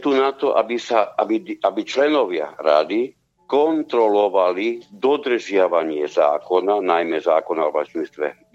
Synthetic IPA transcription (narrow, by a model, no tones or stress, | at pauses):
t̪unat̪ɔʔa̰bisaabiabit͡ʃlɛnɔʋɪa̰ɾa̰d̪i | kɔnt̪ɾɔlɔʋalid̪ɔd̪r̩ʒɪaʋaɲɪɛza̰ːkɔnanajmɛzaːkɔnaɔʋa̰t͡ʃnist̪ʋɛ̰